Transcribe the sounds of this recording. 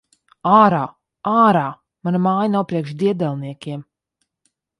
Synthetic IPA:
aːɾaː | aːɾaː | manamaːjanawpɾiɛkʃd̪iɛd̪ɛlˠniɛkʲiɛm

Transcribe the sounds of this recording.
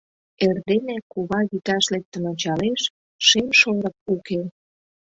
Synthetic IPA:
erd̪enekuβɑɣit̪ɑʃlek̚t̪ə̆not͡ɕɑleʃ | ʃemʃoɾək̚uke

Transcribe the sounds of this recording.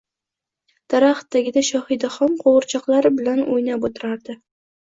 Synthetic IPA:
d̪̥aɾaχt̪ːaɡʲɪd̪aʃɒhɪd̪aχɒmqʰoʁɨɾt͡ʃʰɒqlˠaɾɪbɪlanojnapot̪ʰɪɾaɾd̪ɪ

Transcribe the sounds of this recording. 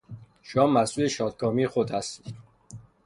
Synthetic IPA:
ʃoɒːmːæsuːleʃɒːd̪̚kʰɒːmixod̪hæst̪i̥ːd̪̥

